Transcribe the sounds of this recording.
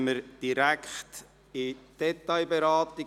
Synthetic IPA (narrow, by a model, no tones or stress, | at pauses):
məɾd̥iɾækχt | ɪd̪̥ɛtaɪbeɾɑːt̪ɪ